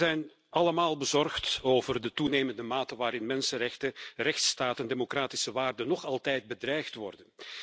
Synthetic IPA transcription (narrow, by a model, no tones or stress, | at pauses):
ɛjn | ʔɑləmaːlˠbəzɔrxtoːvərdətuneːməndəmaːtəʋaːɾɪnmɛnsənrɛxtərɛxtstaːtəndemokraːtisəʋaːrdənːɔχɑlˠtɛjd̚bədrɛjxtʋɔ̰rdən